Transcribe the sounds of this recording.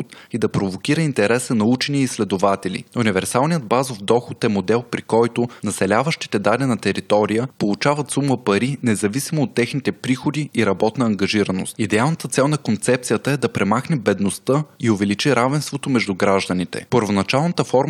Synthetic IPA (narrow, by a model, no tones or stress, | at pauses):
t̪id̪ɐpɾovok̟iɾəint̪ɛɾɛsənɐut͡ʃɛniːslɛd̪ovat̪ɛlʲḭunivɛɾsalˠnijəd̪̚bazofd̪ɔxʊt̪ɛmod̪ɛlˠpɾikɔjt̪ʊnɐsɛlʲavəʃt̪i̥t̪ɛd̪alɛnɐt̪ɛɾit̪ɔɾijəpolˠut͡ʃavɐt̪sumːəpɐɾinɛzɐvisimoot̪ːɛxnit̪ɛpɾixod̪iːɾɐbɔt̪nɐːŋɡɐʒiɾəno̰st̪id̪ɛalˠnət̪ət̪sɛlˠnɐkont̪sɛp̚t̪sijət̪əɛd̪ɐpɾɛmaxnɛbɛd̪nost̪əiʊvɛlit͡ʃiɾavɛnst̪vot̪omɛʒd̪uɡɾaʒd̪ənit̪ɛ̰pəɾvonɐt͡ʃalˠnət̪əfɔɾm